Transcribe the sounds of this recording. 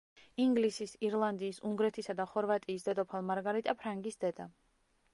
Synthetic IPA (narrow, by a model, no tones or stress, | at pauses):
iŋɡlisisiɾlˠand̪iːsuŋɡɾɛt̪ʰisad̪aχɔɾvat̪ʼiːsd̪ɛd̪ʼɔpʰalˠmaɾɡaɾit̪ʼapʰɾaŋɡisd̪̥ɛd̪a